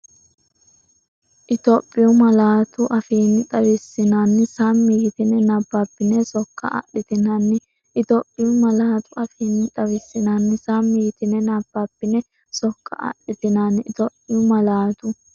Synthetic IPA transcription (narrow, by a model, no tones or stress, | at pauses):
ʔɪt̪ɔpʼːɪjʊmɐlaːt̪ʊʔɐfiːnːɪt̪ʼɐwɪsːɪnanːɪsamːiɡɪt̪ɪnɛnɐbːabːɪnɛsɔkːɐ̰ɐ̰ɗɪt̪ɪnɐnːɪ | ʔɪt̪ɔpʼːɪjʊmɐlaːt̪ʊɐfiːnːɪt̪ʼɐwɪsːɪnanːɪsamːiɡɪt̪ɪnɛnɐb̥ːabːɪnɛ | sɔkːɐ̰ʔɐ̰ɗɪt̪ɪnanːɪɪt̪ɔpʼːɪjʊmɐlaːt̪ʊ